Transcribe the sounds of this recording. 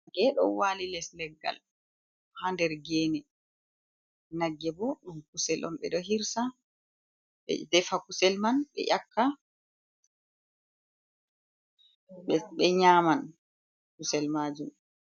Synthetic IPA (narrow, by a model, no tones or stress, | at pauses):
ɡ̥ɛɗɔ̰walilɛslɛɡːa̰l | handɛɾɡɛːnɛ | naɡːɛbɔɗumkusɛlʔɔ̰nɓɛ̰ɗɔɦiɾsa | ɓɛ̰dɛfakusɛlmanɓɛ̰ʔakʰːa | ɓɛɓɛɲaːman | kusɛlmad͡ʒum